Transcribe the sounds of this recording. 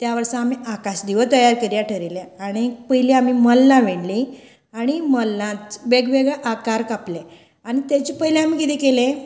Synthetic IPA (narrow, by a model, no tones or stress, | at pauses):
t̪jaʋəɾsəamiakaɕd̪iʋət̪əjaɾkəɾjaʈʰəɾileaɽ̃ipəɦileam̤iməlːãʋeɳli | aɽ̃iməlːãt̪ʋeɡʋeɡɭaʔakaɾkaple | aɽ̃it̪at͡ɕipəɦilẽam̤iːkit̪ekele